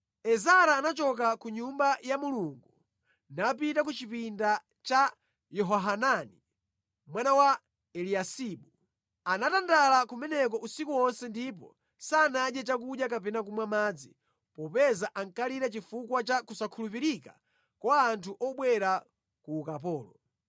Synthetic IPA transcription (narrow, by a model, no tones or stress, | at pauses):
ɛzaɾaːnat͡ʃɔk̬akuɲumbajamuluŋɡu | nap̬itak̬ut͡ʃipinda | t͡ʃa | jɔɦɔɦanani | mwanawa | ɛliasiːɓu | anatandalakumɛnɛk̬ɔʔusikuɔnsɛndip̬ɔ̰ | saːnaɗjɛt͡ʃak̬uɗjakapɛnak̬umwamad͡zi | pɔpɛzaʔaŋkaliɾɛt͡ʃifukwat͡ʃakusakʰulup̬iɾika | kwaːntʰuʔɔɓwɛɾa | kuːkap̬ɔːlɔ